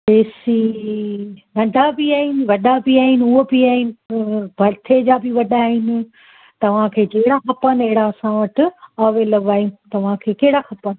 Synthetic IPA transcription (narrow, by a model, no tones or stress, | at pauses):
peːsi | nɐ̃ɖʱabɪaːɦɪnɪʋɐɗabɪaːɦɪnɪ̆uɦobɪaːɦɪnɪ̆bʱɐɾt̪ʰed͡ʑaːbɪʋɐɗaːɦɪnɪ̆ | t̪ɐʋ̤ãkʰeːd͡ʑɐɦɪɽaxɐpəneɦɪɽaɐsãʋɐʈɪ̆aːʋelɐɡaːinɪ̆t̪ɐʋ̤ãkʰeːkɐɦɪɽaxɐpənɪ̆